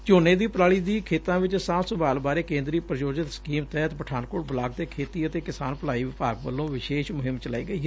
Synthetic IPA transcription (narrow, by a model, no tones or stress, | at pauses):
t͡ʃoːneːd̪iːpɾaːɭiːd̪iːkʰeːt̪ãːʋɪt͡ʃsãːsʊbaːlbaːɾeːkẽːnd̪ɾiːpɾəd͡ʒoːd͡ʒɪt̪skiːmt̪ɛːt̪pəʈʰaːnkoːʈbəlaːɡ̚t̪eːkʰeːt̪iːət̪eːkɪsaːnpəlaːiːʋɪpaːɡʋə̰lːõːʋɪʃeːʃmʊɦɪmt͡ʃəla̰ːiːɡəiː